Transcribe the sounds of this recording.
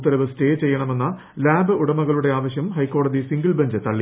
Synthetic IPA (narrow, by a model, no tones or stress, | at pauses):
t̪ːɐɾɐʋɨste̞ːt͡ɕe̞jːɐɳɐme̞nːɐ | laːbɨuɽɐmɐɣɐɭuɽe̞aːʋɐɕjɐmhɐjkːo̞ːɽɐðisiŋɡɐɭbɐɲd͡ʑɨt̪ɐɭːi